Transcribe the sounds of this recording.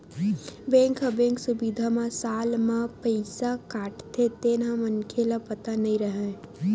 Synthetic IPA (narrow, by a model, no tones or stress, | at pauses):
bẽːŋkabẽːŋksʊbid̪ʱamãsaːlmãpəɪsakaːʈt̪ʰet̪eːnãmɐnkʰelapɐt̪anɐɦĩɾəɦã